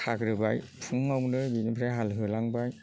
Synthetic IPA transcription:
tʰakɾɯbaj | pʰuŋawnɯbinipʰɾajɦalɦɯlaŋbaj

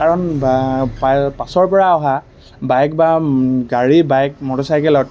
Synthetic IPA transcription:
kaɹɔnbapapasɔɹpɔɹaɔɦa | bajk̚baɡaɹibajk̚mɔtɔsajkɛlɔt

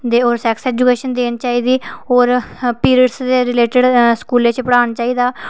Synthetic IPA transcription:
d̪eːoːɾsɛːksɛːd͡ʒukeːʃənd̪eːnt͡ʃaːiːd̪iːoːɾpiːɾiɖsd̪eːɾɪleːʈɪɖskuːleːt͡ʃpəɽaːnt͡ʃaːiːd̪aː

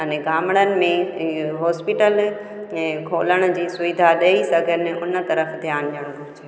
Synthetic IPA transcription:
əneɡʱaːməɽ̃ənɪ̆mẽɦɔːspɪʈəl | ɛ̃ːkʰoːləɽ̃d͡ʑiːsʊʋɪd̪ʱaɗeisɐɡʱənɪʊnt̪ɐɾəfd̪ʱjaːnɗəɽ̃ɡʊɾt͡ɕʰe

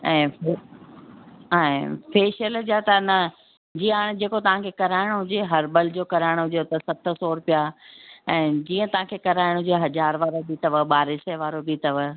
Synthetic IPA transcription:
ɛ̃ːfe | ɦaːɛ̃feːʃəld͡ʑat̪ɐnɐ | d͡ʑĩaːɽ̃d͡ʑeːkot̪ɐʋ̤ãkʰekɐɾaːɪɽ̃ɦʊd͡ʑeɦɐɾbəld͡ʑoːkɐɾaːɪɽ̃ɦʊd͡ʑot̪ɐsɐt̪ʰəsoːɾpijaɛ̃ːd͡ʑiːə̃t̪ɐʋ̤ãkʰekɐɾaːɪɽ̃ɦʊd͡ʑeɦɐd͡ʑaːɾʋaːɾobit̪ɐʋəɓaːɾesɛʋaːɾobit̪ɐʋə

